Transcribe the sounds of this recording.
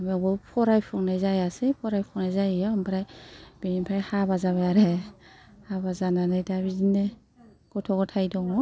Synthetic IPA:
ambɔpʰɔɾajpʰuŋnajzajasepʰɔɾajpʰuŋnajzajɔampʰɾajb̥iimpʰajhabazaβajaɾe | habazananɯjdabizine | ɡ̥ɔtʰɔɡɔtʰajdɔŋɔ

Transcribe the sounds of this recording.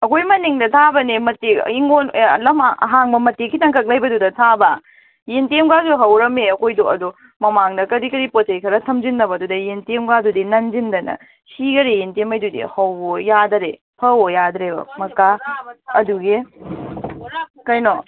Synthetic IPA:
ɐkʰojmɐniŋdɐtʰabɐnimɐteiŋonlɐmɐ̰ɦaŋbɐmɐtːekʰitɐŋkʰɐk̚lɐjbɐdudɐtʰabɐ | jentemɡasuɦɐwɾɐmeɐkʰojdoɐdu | mɐmaŋdɐkɐɾikɐɾipot̚ʰejkʰɐɾɐtʰɐmd͡ʒinːɐbɐdudɐjentemɡadudinɐnd͡ʒindɐnɐ̰ | siɡɐɾejentemɐjdudḭhɐwbojadɐɾe | pʰɐojadɾebɐ̰mɐkaɐduɡe | kɐjno

